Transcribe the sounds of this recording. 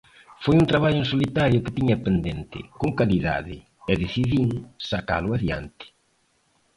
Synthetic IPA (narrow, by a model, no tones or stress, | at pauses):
fojũnt̪ɾaβaʎʊensolit̪aɾjʊkɪt̪iɲapend̪ent̪ɪ̰koŋkaliða̰ðɪ | ɛðeθiðiŋsaka̰lʊaðja̰nt̪ɪ̥